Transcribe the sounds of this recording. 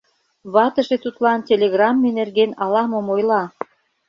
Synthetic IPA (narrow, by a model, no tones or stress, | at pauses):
βɑt̪əʒet̪ut̪lɑntʲelʲeɣrɑmːenerɣenɑlɑmomojlɑ